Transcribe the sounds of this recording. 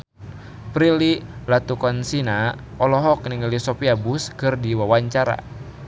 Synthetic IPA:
pɾililat̪ukɔnsina | ɔlɔɦɔk̚niŋlisɔpiabuskɨrdiwawaɲt͡ʃaɾa̰

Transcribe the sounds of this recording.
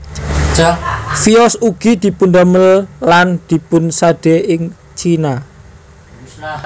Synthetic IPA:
fiɔsuɡ̥id̪̥i̤pund̪aməllːand̪̥i̤pʊnsaɖ̥eɪŋ | t͡ʃina

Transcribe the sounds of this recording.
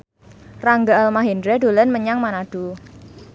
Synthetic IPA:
raŋɡaalmaɦendɾɛdo̤lənməɲaŋmanad̥u

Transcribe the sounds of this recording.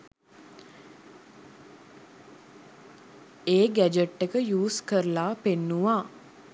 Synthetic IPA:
eːɡæd͡ʒəʈːekəjuːskəɾəlaːpenːuʋaː

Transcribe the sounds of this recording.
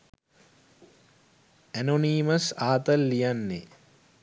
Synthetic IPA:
ænoniːməsaːt̪əlːijanːḛ

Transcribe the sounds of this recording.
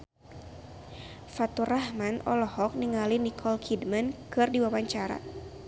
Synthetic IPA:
fat̪urahmanɔlɔhɔk̚niŋalinikʰɔlkʰidmankɨrdiwawaɲt͡ʃaɾa̰

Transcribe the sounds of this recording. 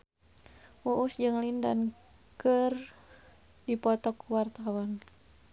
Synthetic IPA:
wuʔusd͡ʒɨŋlindan | kər | dipɔt̪ɔkːuwart̪awɔn

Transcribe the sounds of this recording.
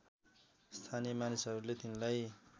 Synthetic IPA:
st̪ʰanijemanisɦʌɾulet̪inlaj

